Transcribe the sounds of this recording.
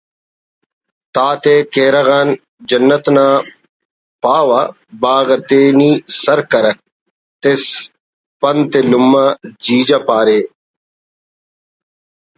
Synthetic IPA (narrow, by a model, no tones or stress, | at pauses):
t̪aːt̪eːkeːɾaɣaːn | d͡ʒɐnːət̪naː | paːʋa | baːɣɐt̪eːniːsɐɾkɐɾɐk̚ | t̪es | pɐnt̪elʊmːad͡ʒiːd͡ʒapaːɾeː